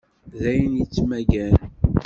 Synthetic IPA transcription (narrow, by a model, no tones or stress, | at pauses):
ðæjənjit͡sːmæɡæn